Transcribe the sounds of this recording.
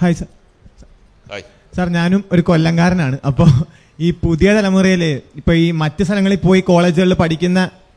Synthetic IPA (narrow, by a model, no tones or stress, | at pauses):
haːjsa | saːrɲaːnumo̞ɾuko̞lːɐŋɡaːɾɐnaːɳɨʔɐpːoː | iːpuðijɐt̪ɐlɐmurijileipːoːiːmɐtːɨst̪ʰɐlɐŋːɐɭilpo̞ːjiko̞ːɭe̞ːd͡ʑiɣɐɭːɨpɐʈʰikʲːunːɐ